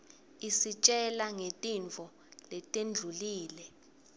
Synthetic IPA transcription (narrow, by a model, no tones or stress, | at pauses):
isit͡ʃʼɛlaŋetʼint͡fɔ | lɛtʼend͡ɮʱuliːlɛ